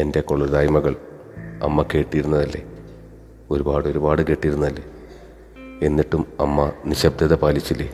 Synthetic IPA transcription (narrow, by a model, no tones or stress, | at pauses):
e̞nde̞ko̞ɭːuðaːjmɐɣɐɭ | ɐ̰mːɐke̞ːʈːijɾunːɐðɐlːe̞ | o̞ɾubaːɽɨo̞ɾubaːɽɨke̞ːʈːijɾunːɐðɐlːe̞ | e̞nːiʈːumɐmːɐniɕɐb̚d̪ʱɐðɐpaːlit͡ɕːilːe